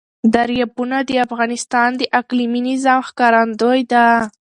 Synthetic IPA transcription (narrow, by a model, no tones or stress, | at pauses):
d̪aɾjɑbunad̪əafɣɑnɪst̪ɑnd̪əʔakliminizamxkɑɾand̪ojd̪a